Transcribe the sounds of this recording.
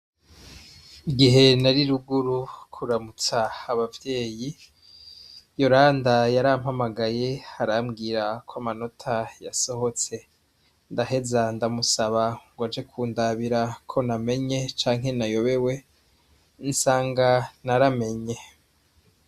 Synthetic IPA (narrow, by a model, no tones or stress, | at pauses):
iɡiɦe̞naɾiɾuɡuɾukʰuɾamut͡saːβavje̞ːji | jo̞ɾaːndajaɾaːm̥hamaɡaje̞haɾamɡiːɾakʰwoamano̞tʰajaso̞ho̞t͡se̞ | ndaɦe̞zandamusaβaŋɡwad͡ʒe̞kʰuːndaβiɾakʰo̞name̞ɲe̞t͡ʃaːŋɦe̞najo̞βe̞we̞ | nsaːŋɡanaɾame̞ɲe̞